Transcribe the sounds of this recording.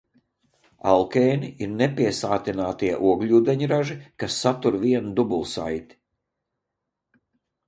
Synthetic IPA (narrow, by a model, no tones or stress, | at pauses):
a̰lˠkɛːniiɾnɛpiɛsaːt̪inaːt̪iɛʔuɔɡlʲuːd̪ɛɲɾaʒikasːat̪uɾviɛnud̪ubulˠsa̰jt̪i̥